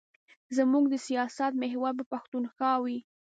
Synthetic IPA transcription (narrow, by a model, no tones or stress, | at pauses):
zəmuɡd̪əsijɑsat̪meɦwaɾbapaxt̪unxɑwi